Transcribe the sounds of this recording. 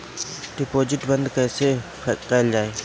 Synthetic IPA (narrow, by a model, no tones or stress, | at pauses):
ɖɪpoːd͡ʒɪʈbənd̪kəːsepʰːqɛːld͡ʒaːeː